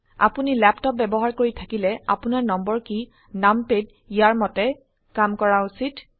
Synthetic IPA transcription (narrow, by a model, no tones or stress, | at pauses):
a̰punilɛptɔp̚bɛbɔɦaɹkoɹitʰakilɛa̰punaɹnɔmbɔɹki | namped | ijaɹmɔtɛ | kamkɔɹausit